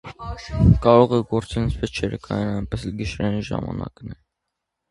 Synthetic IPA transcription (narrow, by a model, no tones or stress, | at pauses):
kɑɾɔʁɛɡɔɾt͡sɛnsʰvɛt͡ʃʰɛɾəkʰɑjɛnɑjnpɛsɛlɡəʃɾɛniʒɑ̰mɑ̰nɑ̰knɛ